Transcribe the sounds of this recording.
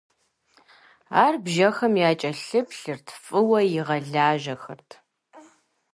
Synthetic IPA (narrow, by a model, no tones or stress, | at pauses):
aːrbʒɐxɐmjaːt͡ʃʼɐɬɨpʰɬɨrtʰfʼɨwɐjɪʁɐɮaːʒɐxɐ̰rtʰ